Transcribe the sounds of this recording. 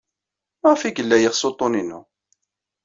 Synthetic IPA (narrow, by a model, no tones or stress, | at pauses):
mʁfiɡəlːæjəʁsot̪ˤːoninu